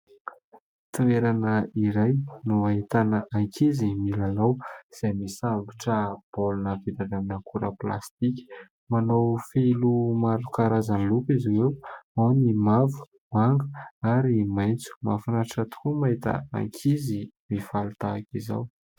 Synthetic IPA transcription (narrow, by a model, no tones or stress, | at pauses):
t̪ueɾanəiɾajnuaɦit̪anaʔaŋkʰizimilalawz̥ajmisambuʈ͡ʂəb̥olunəpid̪adamnəkʰuɾə̰pla̰st̪ikʲi̥ | manowfelumaɾukaɾazanlupiziwewawnimavu̥ | maŋɡə̥aɾimajnt͡su̥mafunaʈ͡ʂət̪u̥kumaɦit̪ə̰a̰ŋkʰizimifalut̪aːkiza̰w